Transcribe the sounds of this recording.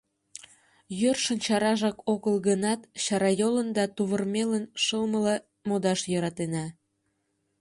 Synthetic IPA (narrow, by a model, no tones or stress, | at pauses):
jørʃənt͡ɕɑɾɑʒɑkoɣəlɣənɑt̪ɕɑɾɑjolənd̪ɑt̪uβərmelənʃəlmələ | mod̪ɑʃjɤ̆ɾɑt̪enɑ